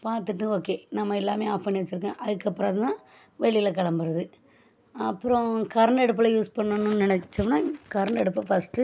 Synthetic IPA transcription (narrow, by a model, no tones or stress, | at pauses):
paːɾt̪̬ɯʈːɯoːkːeːnɐmːɐɛlːaːmeːaːfɐnːɪʋɐt͡ʃːɪɾɯkːḛ̃ːʔɐðɯkːɐpːɯɾaːðɯt̪ãː | ʋɛɭɪjɪlɐkɐɭɐmbɯɾɐðɯ | ɐpːɯɾɔ̃kɐɾɐɳɛɽɯp̬ːɐlɐjuːspɐɳːɐnːʊnnɪnɛt͡ʃːɐmnaːkɐɾɳɖɛɽɯpːɐfɐsʈɯ